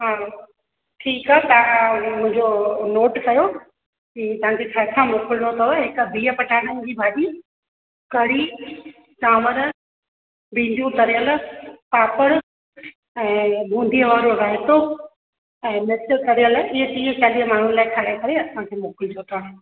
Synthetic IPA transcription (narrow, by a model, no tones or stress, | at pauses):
ɦaː | ʈʰiːkaɦt̪ɐʋãmʊ̃ɦɪ̃ɲd͡ʑonoːʈkɐjo | kit̪ɐɦãd͡ʑet͡ɕʰaːt̪ʰãmoːkɪlnot̪ʰɐɦɪkbʱiːəpɐʈʰaːɽ̃ənd͡ʑiːbʱaːɗiː | kɐɽi | t͡ɕaːməɾ | bĩːnd̪ũt̪ɐɾijəlpaːpəɽ | ɛ̃ːbʱũːnd̪ʱijəʋaːɾoɾɐɦɪt̪o | ɛ̃ːmet͡ɕəlt̪ɐɾijəlɪɦət͡ɕiːt͡ɕaːliəmaːɳ̤unlaːɪkʰaːɽakɐɾeɐsãkʰeːmoːkɪld͡ʑʰoːt̪ʰaː